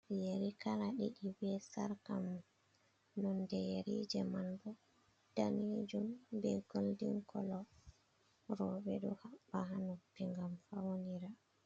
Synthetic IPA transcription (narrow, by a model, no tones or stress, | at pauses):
jeɾikalaɗiɗibɛsaɾkamɔ | nɔndɛjeɾid͡ʒɛmanbɔ | d̥anid͡ʒumbɛɡoldḭŋkʰɔlɔ | ɾɔbɛɗuhabːaɦanupːiŋɡamfawoniɾa